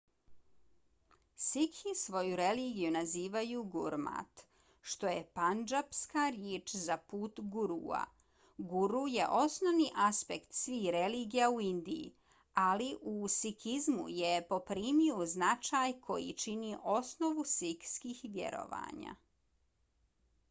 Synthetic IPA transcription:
sikʰisʋo̞juɾe̞liːɡijunaziːʋajuɡuɾma̰t̪ | ʃt̪o̞je̞pand͡ʒapskaɾjeːt͡ʃzapuːt̪ɡuɾua̰ | ɡuɾuje̞ʔo̞snoʋniʔaspe̞kt̪sʋiːxɾeliːɡijauind̪iḭ | aliʔusikʰizmṵjepo̞pɾiːmioznat͡ʃaːjkʰo̞jḭt͡ʃiniʔo̞sno̞ʋusikskiːxʋʲjḛɾo̞̰ʋa̰ːɲa̰

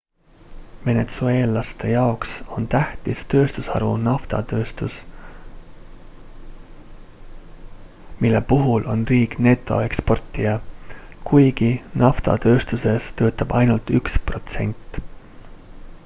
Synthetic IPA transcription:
ve̞ne̞t̪sue̞ːlɑst̪e̞jɑokso̞nt̪æht̪ist̪ø̞ːst̪usɑ̰ɾṵnɑft̪ɑ̰t̪øːst̪us | milːe̞puɦulʔo̞nriːkne̞t̪ːˑo̞̰e̞kspo̞rt̪ːˑijɑkujɡ̥inʔɑft̪ɑ̰t̪ø̞ːst̪use̞st̪ø̞ːt̪ːˑɑb̥ɑ̰jnult̪ykspro̞t̪se̞̰nʲt̪ːˑ

